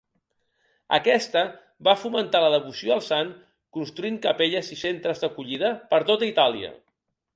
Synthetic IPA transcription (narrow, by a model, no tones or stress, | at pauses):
ə̰kɛst̪ə | bafumənt̪aləðəβusioəlˠsaŋ | kunst̪ɾuiŋkəpeʎəzisent̪ɾəzd̪əkuʎið̞əpəɾt̪ot̪əit̪alḭə̰